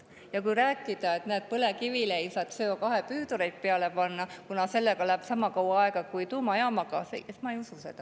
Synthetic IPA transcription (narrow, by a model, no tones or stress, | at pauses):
jɑkujɾæːkːˑid̪̥ɑe̞t̪næːt̪̚pɤlekivileejsɑːt̪søːokɑɦepyːd̪oɾejt̪̚peɑle̞pɑnːɑkunɑse̞lːekɑlæb̥sɑmɑkɑwɑɑeɡ̥ɑkujt̪uːmɑeɑmɑkɑ̰seesmɑejususe̞̰d̪̥ɑ